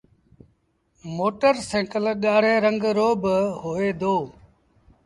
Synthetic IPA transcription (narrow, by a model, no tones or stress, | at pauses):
moːʈəɾsẽːkəlɠaːɽẽːɾəŋɡɾoːbɦoːeːd̪oː